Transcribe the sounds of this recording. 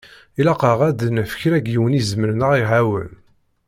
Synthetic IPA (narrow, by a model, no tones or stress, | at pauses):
ilɑqəʁæd̪ənfə̥çɾæɡjiwənizməɾnəʁiʕawə̰n